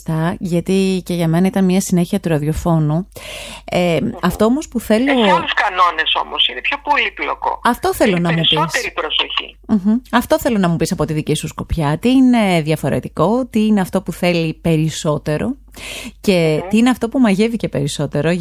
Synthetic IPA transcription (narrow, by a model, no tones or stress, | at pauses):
t̪ɐʝɐt̪ice̞ʝɐme̞nɐit̪ɐnmɲɐsine̞çiɐt̪uɾɐðio̞fo̞nu | eɐft̪o̞omo̞spuθe̞losluskɐno̞ne̞so̞̰mosine̞pço̞poliplo̰ko̞̰ɐft̪o̞θelonɐmuspist̪eɾipɾosoçḭm̩çm̩ɐft̪o̞θe̞lo̞nɐmupisɐpo̞t̪iðicisusko̞pçɐt̪iine̞ðʝɐfo̞ɾe̞̰t̪iko̞t̪iine̞ɐft̪o̞puθe̞lipe̞ɾiso̞t̪e̞ɾo̞̰ | ce̞t̪iineɐft̪o̞pumɐʝe̞vice̞pe̞ɾiso̞t̪e̞ɾo̞